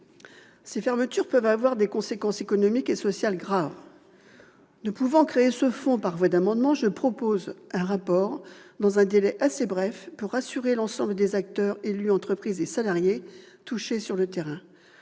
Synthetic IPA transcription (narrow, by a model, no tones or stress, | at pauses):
sefɛʁmət̪yʁpœvavwaʁd̪ekɔ̃sekɑ̃sekɔnɔmikesɔsjalɡʁav | nəpuvɑ̃kχeːsəfɔ̃paʁvwad̪amɑ̃d̪mɑ̃ʒəpχɔpozɛ̃ʁapɔʁd̪ɑ̃zɛ̃d̪elɛʔasebʁɛfpuʁːasyʁelɑ̃sɑ̃bləd̪ezak̚t̪œʁelyɑ̃t̪χəpχizesalaʁje | t̪uʃesyʁlət̪eʁɛ̃